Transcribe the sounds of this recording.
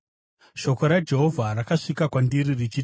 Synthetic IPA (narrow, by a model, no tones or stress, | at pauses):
ʃo̞ko̞ɾad͡ʒe̞ɦo̞vʱarakaʂikakwandiɾirit͡ʃi